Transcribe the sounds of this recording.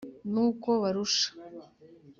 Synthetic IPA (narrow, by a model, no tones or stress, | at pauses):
nuːkoβaɾuʃḁ